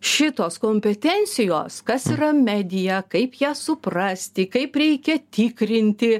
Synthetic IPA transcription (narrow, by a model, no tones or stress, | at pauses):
ʃʲɪt̪oːskoːmʲpʲɛt̪ʲɛnʲt̪sʲɪjoːskɐsiːɾɐmʲɛd̪ʲɪjækɐɪpjæːsʊpɾɐsʲt̪ʲɪkɐɪpɾʲɛɪkʲɛt̪ʲɪkɾʲɪnʲt̪ʲɪ